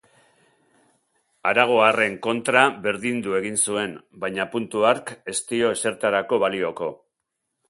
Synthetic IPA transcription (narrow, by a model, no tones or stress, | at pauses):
aɾaɣ̞o̞are̞ŋko̞nt̪ɾaβe̞ɾðind̪ue̞ɣinsue̞nbajɲapunt̪uaɾke̞st̪io̞e̞se̞ɾt̪aɾako̞βalio̞ko̞